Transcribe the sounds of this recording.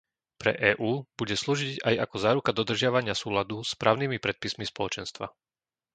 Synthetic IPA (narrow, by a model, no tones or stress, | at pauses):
pɾɛ̰ʔɛːʔuːb̥uɟɛsluːʒiɟajakɔzaːɾukad̪ɔd̪r̩ʒɪaʋaɲɪasuːlad̪uspɾaːʊnimipɾɛt̪̚pismispɔlɔt͡ʃɛnst̪ʋa̰